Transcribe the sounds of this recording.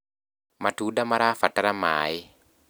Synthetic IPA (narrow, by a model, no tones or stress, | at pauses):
matʰudamaɾafataɾamaːj